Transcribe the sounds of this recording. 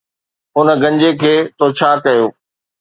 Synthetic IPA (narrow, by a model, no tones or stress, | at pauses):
ʊnəɡɐ̃ɲd͡ʑekʰeːt̪ʰot͡ɕʰaːkɐjoː